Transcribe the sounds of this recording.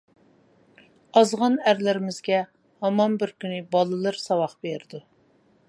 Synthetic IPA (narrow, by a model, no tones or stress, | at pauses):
ɑzʁɑnæɾlɪɾɪmɪzɡʲɛ | hɑmɑnbɪɾkʲynɪbɑlˠɨlˠɨɾsɑwɑχbeɾɪd̪u